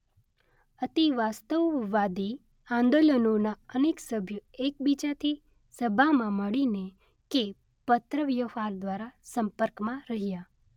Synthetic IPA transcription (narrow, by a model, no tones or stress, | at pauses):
ət̪iʋast̪əʋːad̪i | ãnd̪olənonaəneksəbʱjuek̚bit͡ʃat̪ʰi | səbʱamãməɭine | ke | pət̪ɾəʋjəfaɾd̪ʋaɾasəmpəɾkmãɾəɦija